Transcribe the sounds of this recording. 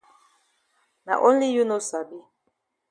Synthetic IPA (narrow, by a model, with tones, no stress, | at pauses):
na̰˨ʔo˦nli˦ju˦no˦sa˨bi˦